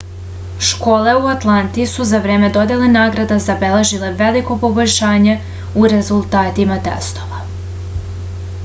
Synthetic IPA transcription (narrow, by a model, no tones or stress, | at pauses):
ʃko̞ːle̞uat̪lˠant̪isuzavɾe̞ːme̞d̪o̞d̪elenaːɡɾad̪azabeleʒile̞ʋeliko̞po̞bo̞ʎʲʃaːɲe̞ | uɾezulˠt̪aːt̪imat̪ḛst̪o̞ʋa